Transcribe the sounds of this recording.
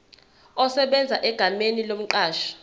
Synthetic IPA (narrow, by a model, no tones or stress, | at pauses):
ɔsɛɓɛnd͡zʱaʔɛɡ̥ʱamenilom̩ǃaːʃḁ